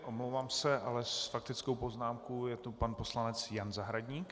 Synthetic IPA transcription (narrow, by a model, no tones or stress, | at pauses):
ʔomlowvaːmsɛʔalɛsfak̚t̪ɪt͡skowpo̞znaːmkojɛt̪opanpo̞slanɛt͡sjanzaɦɾaɟɲiːk